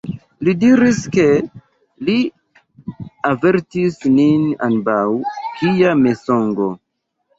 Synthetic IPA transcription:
lidiɾiske̞ | li | ave̞ɾtisnina̰nbawkijame̞so̞ŋɡo

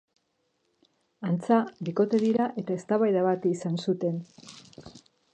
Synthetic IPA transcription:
ant͡sabiko̞t̪e̞ðiɾaʔe̞t̪ae̞st̪aβajðaβat̪isansut̪e̞n

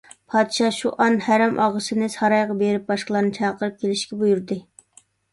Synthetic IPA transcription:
pʰɑːd̪ʃɑʃuʔɑnhæɾɛmʔɑʁəsɨnɨsɑɾɑjʁɑbeɾɪp̚bɑʃqlˠɑɾnɨt͡ʃʰɑːqəɾɨp̚kʲʰelɪʃkʲɛbujuɾd̪ɨ

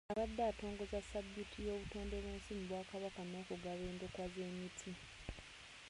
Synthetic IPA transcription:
aβad̪ːaːto̞ːŋɡo̞zasabjutʰijo̞ːβuto̞ːnde̞βeːnsimuβwaːkaβakanoːkuɡaβe̞ːndokwazeːmitʰi

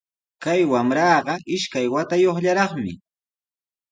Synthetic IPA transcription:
kajwamɾɑːɢɑʔɪʃkajwat̪ajoχʎaɾɑχmɪ̰

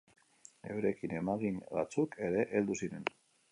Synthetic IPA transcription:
nḛwɾe̞kine̞maɣinba̰t͡suke̞ɾe̞ʔeld̪usiɾe̞n

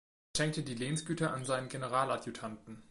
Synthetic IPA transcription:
ʃɛŋk̚tədiːleːnsɡ̥yːtɐʔanzaɪnənɡenəʁaːlatjutʰantn̩

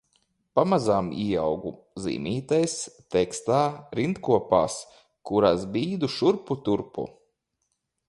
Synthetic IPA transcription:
pamazaːmiawɡu | zḭːmʲiːt̪ajst̪ɛkst̪aːɾint̪kuɔpa̰ːs | kuɾasbiːd̪uʃuɾput̪uɾpṵ

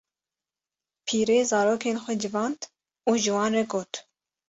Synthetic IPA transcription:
pʰiːɾeːzɑːɾoːkʰeːnxʷɛd͡ʒɨvɑːnd̪ | uːʒɨwɑːnrɛɡoːt̪

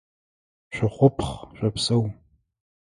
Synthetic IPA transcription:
ɕʷᶣɪχʷʊpʰχɕʷʼɐpsɐw

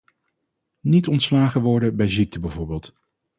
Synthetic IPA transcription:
nitɔntslaːχəʋɔɹdəbɛjzik̚tʰəbɛvoːɹbeːlˠt

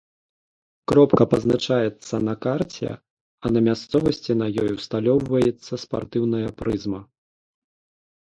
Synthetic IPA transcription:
kɾɔpkɐpɐznat͡ʂajɛt̪sːɐnɐkart͡sʲɛ̰ | ɐnɐmʲast̪sɔvɐsʲt͡sʲinɐjɔjwst̪alʲɔwvɐjɛt̪sːɐspa̰rt̪ɨwn̪ɐjɐpɾɨzmɐ

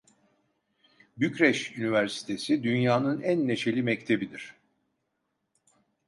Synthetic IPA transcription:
bycɾɛʃynivæɾsi̥t̪ʰe̞sid̪ynjaːnɯnænːe̞t͡ʃʰe̞lʲimɛct̪ʰe̞bid̪iɾ̝̥

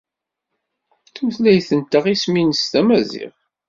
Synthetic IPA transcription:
θuθlæjθənt̪ːəʁisminəst̪æmæzḭʁ

